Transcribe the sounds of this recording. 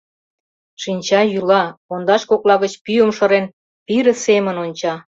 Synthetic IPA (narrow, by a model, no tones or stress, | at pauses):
ʃinʲt͡ɕɑjylɑond̪ɑʃkoklɑɣət͡ɕpyəmʃɤ̆ɾen | piɾə̆semənonʲt͡ɕɑ